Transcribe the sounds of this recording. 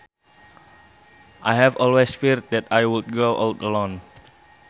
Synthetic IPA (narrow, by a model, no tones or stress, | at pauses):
ʔajɦɛvɔlwesfiɾt̚dɛtajwud̚ɡoʔawtəlõn